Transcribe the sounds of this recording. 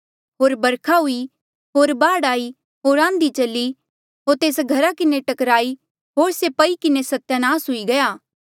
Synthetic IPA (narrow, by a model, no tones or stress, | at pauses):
ɦoːɾbɐɾkʰaɦʊi | ɦoːɾbaːɽaːi | ɦoːɾãːnd̪it͡ʃɐlːi | ɦoːɾt̪eːsɡʱɐɾakɪneʈɐkɾaːi | ɦoːɾsepɐikɪnesɐt̪ːjanaːsɦʊiɡɐjaː